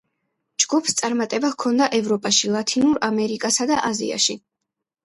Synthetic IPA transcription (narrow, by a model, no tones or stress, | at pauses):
d͡ʒɡupʰst̪sʼaɾmat̪ʼɛbakʰɔnd̪aʔɛvɾɔpʼaʃilˠat̪ʰinuɾamɛɾikʼasad̪aʔazḭa̰ʃi